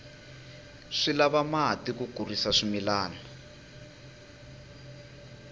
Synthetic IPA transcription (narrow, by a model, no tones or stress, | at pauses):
ʂilaβamaɦatikuɡ̥ʱurisaʂimilaːna